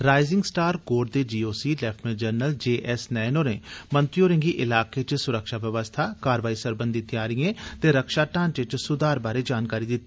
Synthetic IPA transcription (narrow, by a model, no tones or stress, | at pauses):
ɾaːɪzɪŋɡsʈaːɾɡoːɖ̚d̪eːd͡ʒiːoːsiːlɛːpʰʈʰməd͡ʒəɾnəld͡ʒeːʔɛːsnɛːinoːɾḛ̃ːmə̃nt̪ɾioːɾẽŋɡiːʔɪlaːkeːt͡ʃsʊɾəkʃaːʋjəʋəst̪ʰaːkaːɾʋaːiːsəɾbə̃nd̪ɪt̪iaːɾɪjẽːt̪eːɾəkʃaːʈãːnt͡ʃət͡ʃsʊd̪aːɾbaːɾeːd͡ʒaːnkaːɾiːd̪ɪt̪ːiː